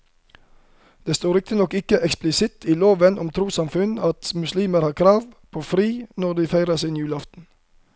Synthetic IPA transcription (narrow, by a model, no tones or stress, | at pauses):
d̪̥eːst̪oːɾɪk̚t̪ɪnɔkɪkəʔɛksplɪsɪt̪ʰiːloːʋənɔmt̪ʰɾuːsɑmfʉnɑt̪mʉsliːməɾhɑːʁkʰɾɑːʋpʰoːfɾiːnɔd̪iːfæɪɾəsɪːnjʉːlɑft̪n̩